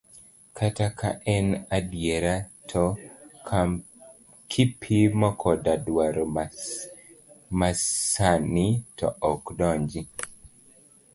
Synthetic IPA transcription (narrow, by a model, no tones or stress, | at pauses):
kʰataka̰ʔɛnadjeɾatʰɔ | kʰipʰimɔkʰɔdadwaɾɔ | maanitɔ̰ʔɔkdɔɲd͡ʒi